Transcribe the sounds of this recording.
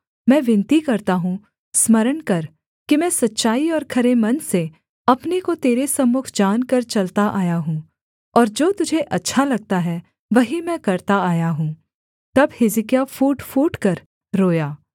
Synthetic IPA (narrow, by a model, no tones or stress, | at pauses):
mɛ̃ːʋɪ̃nt̪ikɐɾt̪aɦũ | smɐɾəɳkɐɾ | kimɛ̃ːsɐtːʃaːiɔːɾkʰɐɾemɐnse | ɐpnekot̪eːɾesɐmːʊkʰd͡ʒaːnkɐɾt͡ʃɐlt̪aʔaːjaɦũː | tɔːɾd͡ʒoːt̪ʊd͡ʒʱeʔɐtːʃʰalɐɡ̚t̪aɦɛ | ʋɐɦimɛ̃ːkɐɾt̪aaːjaɦũː | t̪ɐbhɪzɪkjafuːʈfuːʈkɐɾ | ɾoːjaː